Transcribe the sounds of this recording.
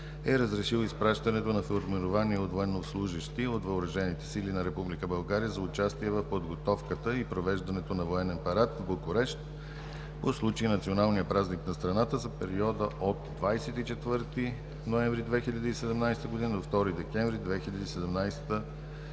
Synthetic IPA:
ɛɾəzɾɛʃilˠoispɾaʃt̪ɐnɛt̪onɐfɛlˠɾmɛɾovaniɛot̪voɛnːovslˠuʒiʃt̪iot̪vɐʊɾɐʒɛnit̪ɛ̥silinɐɾɛpublikəbɐlˠɡaɾiəzɐʊt͡ʃast̪iɛvɐfpod̪ɡot̪ɔfkət̪əipɾovɛʒd̪ɐnɛt̪onɐvoɛnɛnpɐɾat̪vbokoɾɛʃt̪ | poslˠut͡ʃəinɐt̪sionalˠnijəpɾazniknɐst̪ɾɐnat̪əzɐpɛɾiɔd̪əʔot̪d̪vajsɛt̪it͡ʃɛt̪vɤɾt̪i | noɛɱvɾid̪vɛxiʎʲəd̪isɛd̪ɛmnajst̪əɡod̪inəd̪oft̪ɔɾid̪ɛkɛɱvɾid̪vɛxiʎʲɐd̪isɛd̪ɛmnajst̪ə

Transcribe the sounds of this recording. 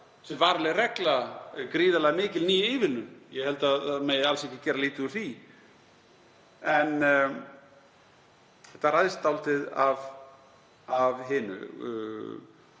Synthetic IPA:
sɛmvaːɾlɛɾɛklakɾiːðalaɣmɪːcɪlniːjɪɪːvɪlnʏnjɛhɛlt̪aðaðmɛɣalsɛhçcːɪt̪cɛːɾaliːt̪ɪʏɾ̥θi | ɛn | ɛht̪aɾaðst̪awlt̪ɪðav | avɦɪnʏ̰

